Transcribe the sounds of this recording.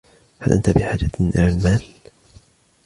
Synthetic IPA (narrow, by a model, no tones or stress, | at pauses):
halʔant̪abɪħaːd͡ʒaʔɪ̰lalmaːl